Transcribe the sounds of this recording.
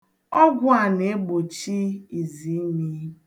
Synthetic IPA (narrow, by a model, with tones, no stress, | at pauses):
ɔ˦ɡʷʊ˦a˨ne˨e˦ɡ͡bo˨t͡ʃi˦i˨zi˨˦ɲi˦